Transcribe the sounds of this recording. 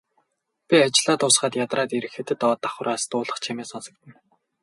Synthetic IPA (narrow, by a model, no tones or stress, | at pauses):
pʲiat͡ɕɪ̆ɮaːt̪ʊːsχaːt̪jat̪raːt̪iɾɘ̆xĕt̪ɘ̆t̪ɔːt̪ːaχwʊ̆ɾaːst̪ʊːɮə̆χt͡ɕʰameːsɔnsɞ̆k̚t̪ʰɘ̆n